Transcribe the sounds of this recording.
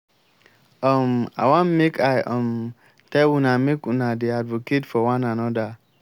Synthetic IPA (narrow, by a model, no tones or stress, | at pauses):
ɔma̰wãnmekʰajɔm | tɛunamekunadiadvoketfɔwãnanɔda